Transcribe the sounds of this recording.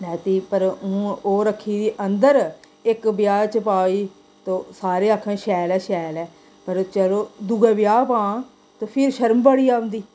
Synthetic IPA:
ɛːt̪iːpəɾũːoːɾəkʰːiːd̪iːʔənd̪əɾ | ɪkbɪjaːɾt͡ʃəpaːiː | t̪õːsaːɾeːaːkʰːɛ̃ːʃɛːlɛːʃɛːlɛː | pəɾt͡ʃəloːd̪uɡɛːbɪjaːpãː | t̪oːpʰɪɾʃəɾmbəɽiːaːʋə̃nd̪iː

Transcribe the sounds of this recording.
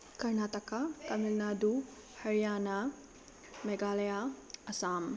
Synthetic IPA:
kɐɾnaːtɐkak̪ɐmilnaːd̪u | hɐɾijaːna | meɡaːlɐjaɐsaːm

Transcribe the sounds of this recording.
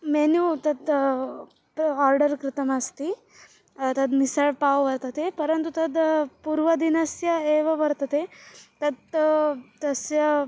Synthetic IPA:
menut̪ɐd̪ | aːɾɖəɾkɾɪt̪ɐmɐst̪i | t̪ɐd̪misɐɭpaːʋʋɐɾt̪ɐt̪epɐɾɐnt̪ut̪ɐd̪puɾʋɐd̪inɐsjɐeːʋɐʋɐɾt̪ɐt̪et̪ɐd̪ | t̪ɐsjɐ

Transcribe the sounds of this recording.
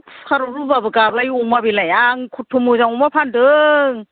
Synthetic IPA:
kʰaɾuɾubabɯɡablajumabilajaŋkʰutʰːumuzaŋumapʰandɯŋ

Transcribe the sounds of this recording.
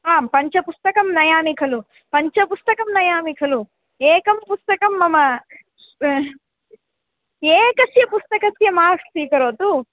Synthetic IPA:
aːmpɐɲt͡ʃɐpust̪ɐkɐmnɐjaːmikʰɐlu | pɐɲt͡ʃɐpust̪ɐkɐmnɐjaːmikʰɐlu | ɛːkɐmpust̪ɐkɐmːɐmɐ | eːkɐsjɐpust̪ɐkɐsjɐmaːʂsiːkɐɾoːt̪u

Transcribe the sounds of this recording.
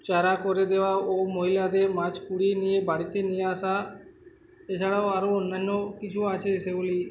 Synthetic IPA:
t͡ʃaɾakɔɾed̪eʋaomoɦilad̪emat͡ʃpuɽinijebaɽit̪enijeasa | et͡ʃʰaɽaoaɾoonːanːokit͡ʃʰuat͡ʃʰeseboli

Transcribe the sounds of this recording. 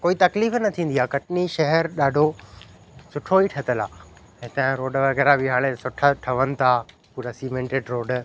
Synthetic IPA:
koːit̪ɐkliːfnɐt̪ʰĩːnd̪iaːkɐʈniʃɐɦɛɾɗaːɖʱo | sʊʈʰoiʈʰɐt̪əlaː | ɦɪt̪ə̃ɾoːɖʋɐɣɛːɾabɪɦaːɽ̃esʊʈʰaʈʰɐʋənɪ̆t̪ʰa | puːɾasiːmẽɳʈeːɖɾoːɖ

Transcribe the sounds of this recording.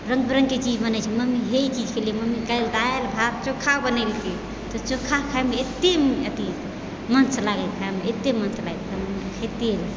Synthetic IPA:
ɾəŋɡ̚bɾəŋɡket͡ʃid͡ʒbənət͡ʃʰiməmiɦeit͡ʃid͡ʒkʰelijməmikəjld̪aelbʱaɾ̚t͡ʃokʰːabənəjlkʰe | t̪ɔt͡ʃokʰːakʰajmeet̪ːemət̪i | mənslaɡekʰaemeet̪ːemənsʰlaelkəmkʰet̪el

